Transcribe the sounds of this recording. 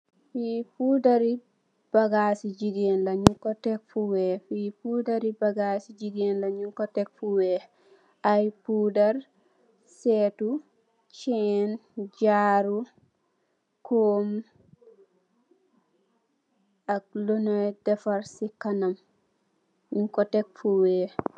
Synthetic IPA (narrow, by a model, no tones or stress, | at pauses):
fiːpudaɾi | b̥aɡasid͡ʒidiɛnlaɲuŋkɔtɛkfuwɛfipudaɾibaɡasid͡ʒidiɛnlaɲuŋkɔtɛk̚fuwɛ | ʔajpudaɾ | sɛːtu | t͡ʃɛnd͡ʒaɾu | koːm | ak̚lonɔjdɛfaɾsikanam | ɲuŋkɔtɛk̚fuwɛ